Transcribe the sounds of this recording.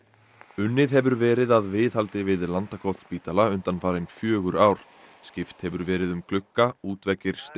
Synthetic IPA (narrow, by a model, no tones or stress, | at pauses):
ʏnːɪðɦɛvʏɾvɛːɾɪðaðvɪːðhalt̪ɪvɪðlant̪akʰɔht̪spiːt̪alaʏnt̪anfaːɾɪnfjœːɣʏɾaːwɾ̥ | scɪft̪hɛvʏɾvɛːɾɪðʏmkʰlʏkːauːt̪vɛcːɪɾ̥st̪